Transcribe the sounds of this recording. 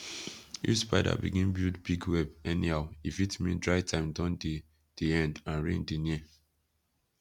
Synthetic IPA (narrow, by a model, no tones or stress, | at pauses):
jṵspaɪda̰bḭɡĩnbildbiɡwɛbɛnihaʊifitmĩndɹaɪtʰãɪ̃mdãʊnd | d̥iɛ̃ndãnɹḛ̃ndini